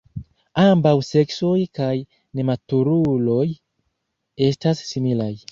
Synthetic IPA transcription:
ambawse̞kso̞jkaj | ne̞matuɾulo̞j | e̞stasːimilaj

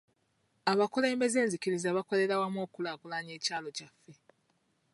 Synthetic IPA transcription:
aβakole̞ːmbe̞ze̞ːnzikiɾizaβako̞le̞ɾawamwo̞ːkulaːkulaɲe̞ːcaːlo̞cafːe̞

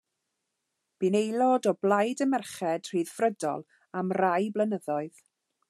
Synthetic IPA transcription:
b̥inejlˠɔdɔblˠajdəmɛrχɛd̥r̥iːð̥frədɔ̰lˠ | amrajblˠənəðɔɨð

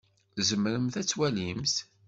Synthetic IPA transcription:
zəmɾəmθæt͡sːwælimθ

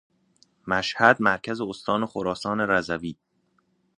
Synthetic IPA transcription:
mæʃhæd̪mæɾkʰæzeost̪ʰɒːnexoɾɒːsɒːne̞ɾæzæviː

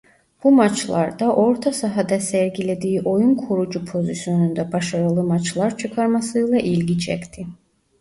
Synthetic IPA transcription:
b̥umat͡ʃʰlˠaɾd̪aʔo̞ɾt̪ʰasaɦad̪asɛɾɡilʲe̞d̪iːiʔo̞junkʰoɾud͡ʒupʰo̞zisjo̞nynd̪ɛbaʃaɾɯlˠɯmat͡ʃʰlˠaɾt͡ʃʰɯkʰaɾmasɯjlˠaʔilʲɡit͡ʃʰɛ̰kʲt̪ʰi

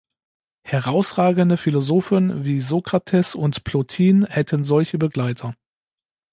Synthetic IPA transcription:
hɛʁaʊsʁaːɡəndəfilozoːfənviːzokʁ̥atʰɛsʊntpʰlotʰiːnhɛtʰənzɔlçəbəɡlaɪtʰɐ

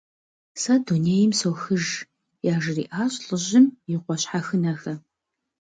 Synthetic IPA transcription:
sɐduneːjɪmsowxɨʒ | jaːʒɪrḭːʔaːɕʼɬʼɨʑɪmjɪqʷɔɕħaxɨnɐxɐ

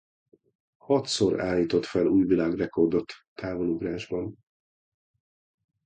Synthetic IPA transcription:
hɒt̪so̞ɾa̰ːlːiːt̪o̞t̪fɛluːjvilaːɡrɛko̞rd̪o̞t̪ːaːvo̞luɡraːʒbɒn

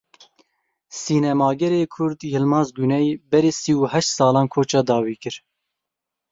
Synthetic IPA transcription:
siːnɛmɑːɡɛɾeːkʰʊɾd̪jɪlmɑːzɡunɛjbɛɾeːsiuːɦɛʃt̪sɑːlɑːnkʰoːt͡ʃɑːd̪ɑːwiːkɨɾ

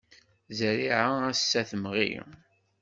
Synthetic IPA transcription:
zɾiʕaæsːæθəmʁḭ

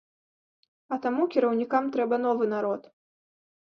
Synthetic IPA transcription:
ɐt̪amukʲiɾɐwnʲikamt̪ɾɛbɐn̪ɔvɨn̪aɾɔt̪

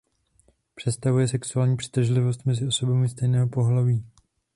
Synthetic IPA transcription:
pr̥ɛt̪st̪avujɛsɛksuaːlɲiːpr̥i̥t̪ʒlɪvo̞st̪mɛzɪo̞so̞bamɪst̪ɛjnɛːɦopo̞ɦlaviː

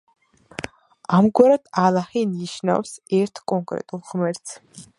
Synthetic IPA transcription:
amɡwaɾad̪alˠaχiniʃna̰wsɛɾt̪ʰkʼɔŋkʼɾɛ̰t̪ʼulˠʁmɛɾt̪sʰ

